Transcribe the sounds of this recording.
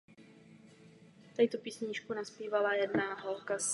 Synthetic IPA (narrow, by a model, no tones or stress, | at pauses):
t̪ajt̪opiːsɲɪt͡ʃkunaspiːvalajɛdnaɦolkas